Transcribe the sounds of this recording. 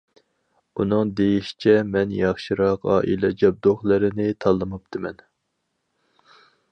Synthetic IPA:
unɨŋd̪ejiʃi̥t͡ʃʰɛmɛnjɑχʃɨɾɑqɑ̰ːʔḭlɛd͡ʒɑb̚d̪oχlˠɨɾɪnɪt̪ʰɑlˠːɨmupt̪ʰɨmɛn

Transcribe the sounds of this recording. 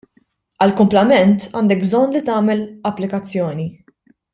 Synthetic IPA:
ɐlkʊmplɐmɛnt̪ɐ̰ːnd̪ɛk̚bzɔnːlit̪ɐːmɛlɐpːlɪkɐt͡sːjɔːni

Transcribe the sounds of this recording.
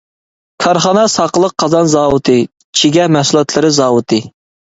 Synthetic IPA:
kʰɑɾχɑnɑsɑqəlˠəq̚ʰːɑzɑnzɑːwɨt̪ʰɨ | t͡ʃʰiɡʲɛmæhsulˠɑt̪ʰlˠɨɾɨzɑːwɨt̪ʰɨ

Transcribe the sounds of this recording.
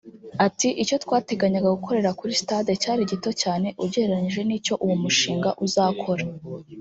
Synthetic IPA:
atiʔit͡ʃo̞twaːte̞ɡaɲaɡaɡukʰo̞ɾe̞ɾakuɾisi̥taːdecaːɾiɟito̞caːne̞ʔuɟeeɾaɲiʒe̞niːco̞ʔuwumuʃiːŋɡaʔuzaːkʰo̞ɾa

